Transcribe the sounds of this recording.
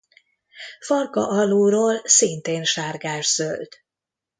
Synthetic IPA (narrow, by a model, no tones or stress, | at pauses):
fɒrkɒ̰ʔɒluːɾoːlsint̪eːnʃaːrɡaːʒz̥ølt̪